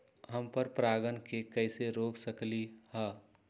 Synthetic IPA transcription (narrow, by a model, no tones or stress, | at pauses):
ɦəmpəɾpɾaːɡənkekəɪseɾoːksəklihɛː